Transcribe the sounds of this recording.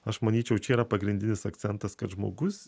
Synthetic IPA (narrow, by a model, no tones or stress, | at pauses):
ɐʃmɐnʲiːt͡ʃʲɛʊt͡ʃʲɛiːɾɐpɐɡɾʲɪnd̪ʲɪnʲɪsɐk̚t̪sʲɛnt̪ɐskɐt̪ʒmo̰ːɡʊs